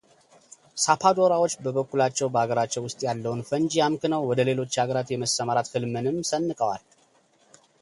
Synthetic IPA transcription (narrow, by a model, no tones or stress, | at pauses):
sapʰad̪o̞ɾawo̞t͡ʃːbəβəkːulat͡ʃːɛwbəaɡəɾat͡ʃːɛwʊst̪ʼjalːəwunfənd͡ʒijamkɨnəwːɔd̪əle̞lo̞t͡ʃːhaɡəɾat̪jɛməsəmaɾat̪fɨlmɨnɨmsənːɨkʼəwa̰l